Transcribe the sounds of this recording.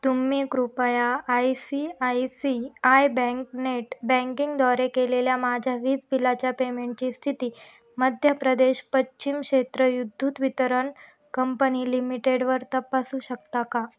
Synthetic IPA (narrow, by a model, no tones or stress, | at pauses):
t̪umiːkɾupəjaːjsiajsiajbɛ̃ŋkneʈbɛ̃ŋkiŋɡd̪ʱɔɾekeleljamad͡ʑʱjaʋiːd͡zpilat͡ɕjapemeɳʈ̚t͡ɕiːst̪ʰit̪iː | məd̪ʱjəpɾəd̪eɕpətːɕimkʂet̪ɾəjud̪ʱːuːt̪ʋit̪əɾəɳ | kəmpəniːlimiʈeɽʋəɾt̪əpasuːɕək̚t̪aka